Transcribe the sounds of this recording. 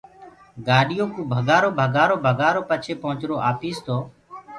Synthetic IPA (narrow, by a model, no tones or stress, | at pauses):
ɡaːɗɪjoːkũːbʱəɡaːɾoːbʱəɡaːɾoːbʱəɡaːɾoːpət͡ʃʰeːpəɦʊ̃t͡ʃɾoːʔaːpiːst̪ʰoː